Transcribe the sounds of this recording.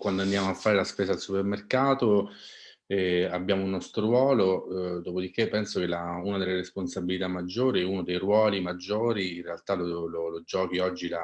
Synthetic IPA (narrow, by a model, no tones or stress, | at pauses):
kwand̪oand̪jaːmoafːaːɾelaspeːzaːlsupermerkaːt̪o | ɛabːjaːmounːɔst̪ɾoɾwɔːlod̪oːpod̪ik̟ːepːɛnsok̟elaunad̪elːeɾesponsabilit̪amːad͡ʒːoːɾiunod̪ejrwɔːlimad͡ʒːoːɾiinrealt̪alololod͡ʒɔːk̟iɔd͡ʒːila